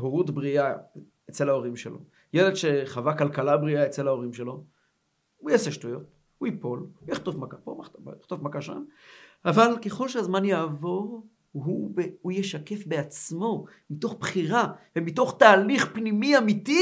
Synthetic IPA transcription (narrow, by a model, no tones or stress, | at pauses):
ɦoʁutbʁia | et͡selao̞ʁimʃelo̞̰ | jeledʃe̞χavakalkalabʁiaet͡se̞lhao̞ʁimʃe̞lo̞ | ujaseʃtujo̞t̚ | huipo̞lujaχt̪o̞fmakapoajχt̪o̞fmakaʃa̰navalke̞χo̞lʃehazmanjaːvo̞ʁ | ɦubeujeʃake̞fbeat͡smo̞ | mito̞χb̥χiʁavemito̞χt̪aːliχpnimiamiti